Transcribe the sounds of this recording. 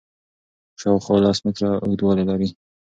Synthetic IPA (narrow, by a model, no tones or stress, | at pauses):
ʃɑwxwɑlɑsmɪkɾaʊd̪wɑlalaɾi